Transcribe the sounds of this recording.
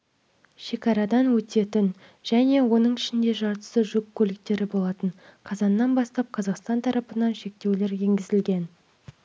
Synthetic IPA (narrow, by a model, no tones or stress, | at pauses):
ʃe̞kɑɾɑd̪ɑnwɵt̪e̞t̪ɪn | ʒ̥æne̞wo̞nəɴɪʃɪnd̪e̞ʒɑɾt̪ə̥səʒɵkʲʰːɵlɪk̚t̪e̞ɾɪbo̞lˠɑt̪əɴqʰɑzɑnːɑnbɑst̪ɑp̚qʰɑzɑqst̪ɑnt̪ʰɑɾʔɑpənɑnʃe̞k̚t̪e̞wle̞ɾje̞ŋɡʲɪzɪlɡʲe̞n